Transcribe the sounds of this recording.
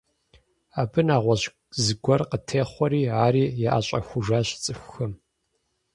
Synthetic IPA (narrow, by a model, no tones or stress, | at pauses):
aːbɨnaːʁʷɔɕ | zɨɡʷɔrqətʰeːχʷɔɾiːaːɾiːjɛʔa̰ːɕʼɐ̰xʷʊʒaːɕt͡sʼɨxʷxɨm